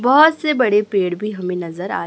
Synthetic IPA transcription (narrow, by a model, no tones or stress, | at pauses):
bɔɦʊt̪sebɐɽepeːɽbʱiɦɐmẽnɐzəɾa̰ːɾ